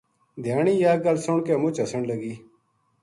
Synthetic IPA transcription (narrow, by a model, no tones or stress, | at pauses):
d̪ʱjaːɳiːjaːɡəlsoɳkeːmʊt͡ʃəsəɳləɡiː